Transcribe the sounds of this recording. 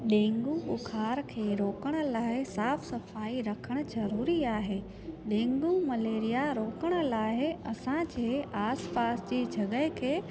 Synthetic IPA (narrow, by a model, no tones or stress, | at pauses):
ɗẽːŋɡuʊkʰaːɾkʰeːɾoːkəɽ̃ʊ̆laːɪsaːfsɐfaːiɾɐkʰəɽ̃ʊ̆zɐɾuːɾiaːɦeː | ɗẽːŋɡumɐleːɾijaɾoːkəɽ̃ʊ̆laːɦɪɐsãd͡ʑeːaːspaːsd͡ʑiːd͡ʑʱɐɠəɦɪkʰeː